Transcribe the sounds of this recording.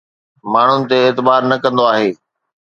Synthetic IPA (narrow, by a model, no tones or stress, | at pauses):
maːɳ̤ʊnɪ̆t̪eeːt̪ɪbaːɾnɐkɐ̃nd̪oaːɦeː